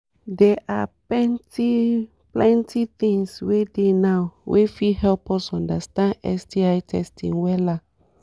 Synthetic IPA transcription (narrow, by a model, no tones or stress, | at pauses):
dɛʔaplɛ̃nti | plɛ̃ntʰit̪ĩŋswedenawwʔefihɛlpɔsɔ̃ndastãndɛ̰stiajtʰɛstḭ̃nwɛla